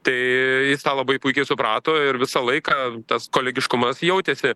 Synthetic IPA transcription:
t̪ɐɪjɪst̪ɑːlˠɐbɐɪpʊɪkʲɛɪsʊpɾɑːt̪oːɪɾʋʲɪsɐlˠɐɪkɑːt̪ɐskoːlʲɛɡʲɪʃkʊmɐsjɛʊt̪ʲɛsʲɪ

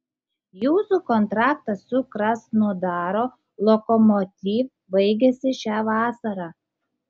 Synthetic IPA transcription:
juːsukɔnt̪ɾɑːk̚t̪ɐssʊkɾɐsnuːd̪ɑːɾoː | lˠɔkɔmɔt̪ʲiːf | bɐɪɡʲɛsʲɪʃʲæːʋɑːsɐɾɑː

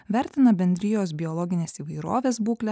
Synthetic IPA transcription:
ʋʲæˑɾʲt̪ʲɪnɐbʲɛnʲd̪ʲɾʲɪjoːs̬bʲɪɔlˠɔːɡʲɪnʲeːsiːʋɐɪɾo̰ːʋʲeːsbuːklʲɛ

